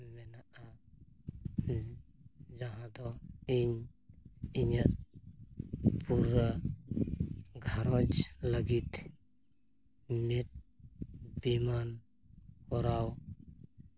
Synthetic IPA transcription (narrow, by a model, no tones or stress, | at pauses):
mɛnaʔa | zaɦad̪ɔiɲ | iɲa | pʰuɾa | ɡʱaɾɔd͡ʒlaɡit̪ | mit̪̚ | b̥iman | kʰɔɾaw